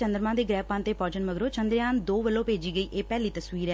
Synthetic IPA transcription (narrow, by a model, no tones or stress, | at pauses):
t͡ʃənd̪əɾmãːd̪eːɡɾɛːpãːnt̪eːpɔːd͡ʒənməɡɾoːt͡ʃənd̪ɾjaːnd̪oːʋəlːõːpeːd͡ʒiːɡəiːʔeːpɛːliːt̪əsʋiːɾɛː